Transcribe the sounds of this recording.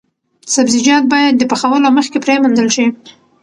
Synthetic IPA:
sabzid͡ʒɑt̪̚bɑjad̪ːəpəxawəloməxkepɾemand̪əlʃi

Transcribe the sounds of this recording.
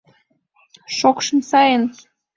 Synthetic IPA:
ʃokʃɤ̆msɑjən

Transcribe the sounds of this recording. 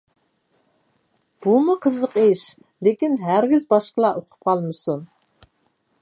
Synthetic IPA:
b̥umuqʰəzəqeʃ | lekʲinɦæɾɡʲizbɑʃqəlˠɑʔoqʰʊ̥p̚qʰɑlˠmɨsu

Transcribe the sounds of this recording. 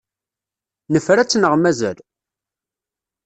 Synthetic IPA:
nəfɾæt͡sːnəʁmæzæl

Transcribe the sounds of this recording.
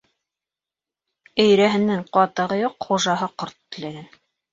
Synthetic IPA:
ɘ̆jɾæɦɘ̆nːæŋqɑt̪ɤ̆ʁɤjoqχuʒɑɦɤqoɾt̪ːɘ̆læɡæn

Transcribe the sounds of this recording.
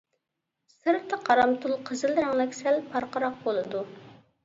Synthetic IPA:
sɨɾft̪əqʰɑɾɑmt̪ʰulˠqʰəzɨlˠɾɑŋlˠɛkʲsɛlpʰɑɾqəɾɑq̚bolˠɨd̪u

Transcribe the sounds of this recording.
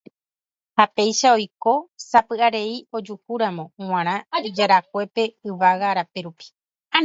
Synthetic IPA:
hape̞jʃao̞jko̞sapɨʔaɾe̞io̞d͡ʒukuɾamõ̞w̃ãɾ̃ãid͡ʒaɾak̚ʷe̞pe̞ɨʋaɣaɾapeɾupi̥

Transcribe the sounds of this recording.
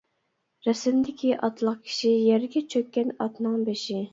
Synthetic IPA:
ɾɛsɪmd̪ɪkʲʰiʔɑt̪ʰlˠəq̚kʲʰi̥ʃijɛɾɡʲɛt͡ʃʰøk̚ʲːɛnɑt̪nɨŋbeʃi

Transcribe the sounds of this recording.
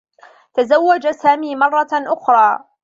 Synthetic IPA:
t̪azawːad͡ʒasaːmiːmɑrˤːɑʔʊxɾˤɑː

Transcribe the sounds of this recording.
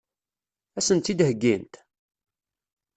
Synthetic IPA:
æsənt̪id̪ɦəɡːint̪

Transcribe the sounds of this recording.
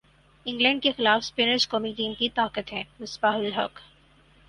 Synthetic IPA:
ɪ̃ŋɡlɛ̃ːɳɖ̚kexɪlaːfspɪnəɾd͡ʒkɔːmiʈiːmkit̪aːkət̪ɦɛ̃ːmɪsbaːɦʊlɦɐ̰k

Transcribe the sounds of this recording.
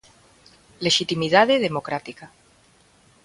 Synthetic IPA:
le̞ʃit̪imiðaðeð̞emokɾat̪ika

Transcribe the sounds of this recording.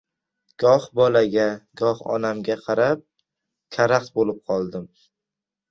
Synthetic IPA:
ɡ̥ɒhbɒlaɡʲaɡɒhɒ̰namɡʲaqʰɑɾap̚ | kʲʰaɾakt̪̚bolɪp̚qʰɒlˠd̪ɪm

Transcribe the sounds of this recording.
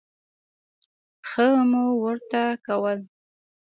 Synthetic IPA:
xəmuwəɾt̪akawəl

